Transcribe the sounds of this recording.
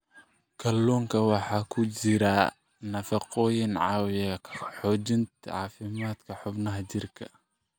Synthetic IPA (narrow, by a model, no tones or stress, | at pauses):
kʰɐlːɔːŋkʰɐwɑħɑːkʰʊt͡ʃɪɾɐ | nɐfɑqɔːjɪnʕɑːwɪħɔːt͡ʃɪnt̪ʰʕɑːfɪmaːd̪kʰɐħʊbnɐɦɐt͡ʃɪrkʰɐ̥̰